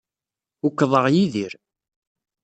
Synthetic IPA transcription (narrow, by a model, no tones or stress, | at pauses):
ukːðˤəʁjiðiɾ